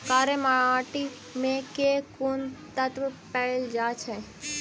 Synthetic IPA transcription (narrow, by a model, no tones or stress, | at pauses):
kaːɾemaɭãːʈi | mẽkekunt̪ət̪ʋəpɛld͡ʒaːt͡ʃʰɛ